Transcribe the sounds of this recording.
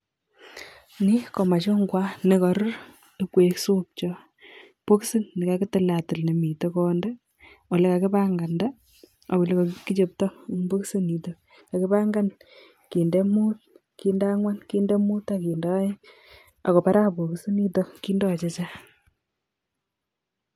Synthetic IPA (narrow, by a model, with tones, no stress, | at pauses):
ni˦kɔ˨ma˨t͡ʃo˦ŋɡwa˦ne˨kɔ˨ɾʊ˦ɾ | e˦kwe˨˦ksu˦p̚t͡ʃɔ˦ | po˦ksi˦nni˨ka˨ki˦tɪ˦la˨tu˨lne˨mi˨to˦kɔnda˦ | o˨le˦ka˨kɪ˦pa˦ŋɡa˨nda˦ | a˨wo˨le˦ka˨ki˦t͡ʃe˦p̚tɔ˦nbo˦ksi˦ni˨to˦ | ka˨ki˦pa˦ŋɡa˦n | ki˨nde˦mu˦t̚ | ki˨˦nda˦ŋwa˦nki˦nde˦mu˦ta˦ki˨ndɔ˦ | a̰˨kɔ˨pa˦ɾa˦po˨ksi˦ni˦to˦ki˦ndɔ˦t͡ʃe˦t͡ʃa˦